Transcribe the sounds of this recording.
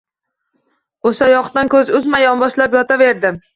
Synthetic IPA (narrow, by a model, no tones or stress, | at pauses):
oʃajɒqt̪ankʲʰɵzʊzmajɒnbɒʃlapjɒt̪ʰave̞ɾd̪ɪm